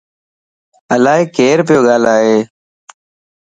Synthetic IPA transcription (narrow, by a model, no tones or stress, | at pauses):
əlaːɦeːkeːɾpɪjoːɠaːlaːɦeː